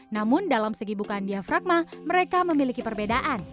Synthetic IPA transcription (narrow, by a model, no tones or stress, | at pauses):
namʊndalamsəɡibukandiafɾak̚maməɾekaməmilikipərbedaʔan